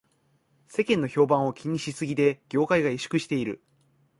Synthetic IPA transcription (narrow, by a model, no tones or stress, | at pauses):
se̞kẽ̞nːo̞ço̞ːbãɰ̃o̞kʲʰiɲ̟iɕisɨɡʲid̪e̞ɡ̥ʲo̞ːkaiɡaiɕi̥kɯ̟ɕi̥t̪e̞iɾɯ̟̰